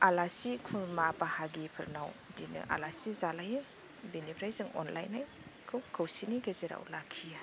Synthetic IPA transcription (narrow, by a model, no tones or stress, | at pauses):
alasikʰumapahaɡipʰɯɾnawdinɯ̰ʔa̰lasizalajɯ | benipʰɾajzɯŋɔ̰nlajnaj | kʰɯwkʰɯwsiniɡezeɾa̰wlakʰija